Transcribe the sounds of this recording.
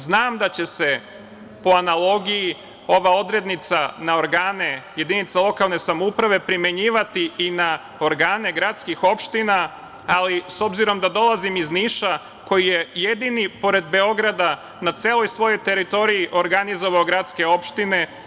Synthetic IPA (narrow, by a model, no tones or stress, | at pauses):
znaːmd̪at͡ɕe̞se̞ | po̞analˠo̞ɡiji | o̞ʋao̞d̪ɾe̞d̪nit̪sanao̞ɾɡaːne̞je̞d̪init̪salˠo̞kalˠne̞samoupɾaʋe̞pɾime̞ɲiːʋat̪iina | o̞ɾɡaːne̞ɡɾat̪skixo̞pʃt̪inaː | liso̞bziɾo̞md̪ad̪o̞lˠazimizniʃa | ko̞jije̞je̞d̪inipo̞ɾe̞d̪be̞o̞ɡɾad̪a | nat̪se̞ːlˠo̞jsʋo̞jo̞jt̪e̞ɾit̪o̞ɾijiʔo̞ɾɡanizo̞ʋaoɡɾat̪ske̞o̞pʃt̪ine̞